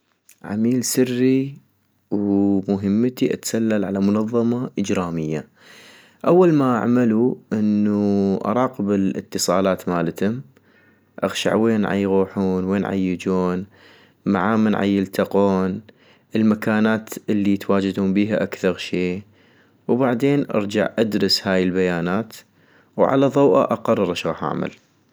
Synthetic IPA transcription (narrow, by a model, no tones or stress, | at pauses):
ʕa̰miːlsɪrːi | wmʊɦəmːt̪iʔa̰t̪salːalʕalamʊnɑðˤːɑmɑʔəd͡ʒɾaːmɪjːa | ʔawːalmaʔa̰ʕmaluʔɪnːuʔɑ̰ɾˤɑːqəbɪlʔɪ̰t̪ːɨsˤɑːlaːt̪maːlt̪ʊm | ʔa̰ɣʃa̰ʕweːnʕa̰jɣoːħuːnweːnʕa̰jːɪd͡ʒoːn | ma̰ʕaːmanʕa̰jːɪlt̪aqoːn | ʔəlmakaːnaːt̪ɪlːit̪waːd͡ʒɪd̪hʊmbiːɦaʔakθɑɾˤʃeː | wbaʕd̪eːnʔɑ̰ɾˤd͡ʒa̰ʕʔad̪ɾɨshaːjəlbajaːnaːt̪ | wʕa̰laðˤɑwʔa̰ʔaqɑrˤːɑɾˤʔaʃɣɑːħʔa̰ʕma̰l